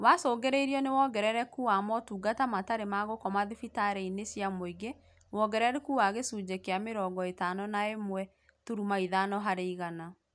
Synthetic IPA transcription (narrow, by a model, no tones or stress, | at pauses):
wasɔːɡɛɾeɾiɔnewɔɡɛɾɛɾɛkuwamɔtuːɡatamataɾemaɣokɔmaðifitaɾeinesjamoiɡe | wɔɡɛɾɛɾekuaɣesud͡ʒekeameɾɔːɡɔetanɔnaemwɛ | tuɾumaiðanɔɦaɾeiɣana